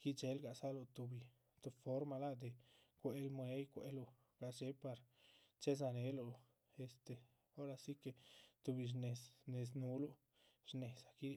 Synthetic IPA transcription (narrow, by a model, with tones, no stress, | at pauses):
ki˦t͡ʃe˨˦lɡa˨sa˦lo˧t̪u˨bi˨ | t̪o˧fo˦ɾma˧la˦d̪e˨ | kʷe˨˦lmwe˦jkʷḛ˧˦lo˧ | ɡ̥a˧t͡ʃe˨˦pa˨ɾt͡ʃe˦z̬a˧ne˨˦lo˧ | e˨st̪e˨ | o˦ɾa˧si˦ke˨t̪u˧bi˨ʃne˨sne˨s̬nu˧˦lo˧ | ɾne˨sa˨ki˦˧